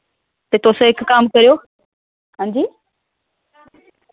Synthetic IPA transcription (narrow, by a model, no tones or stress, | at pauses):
t̪et̪oːsõɦɪkːaːmkɐɾijoː | hãːɲd͡ʑiː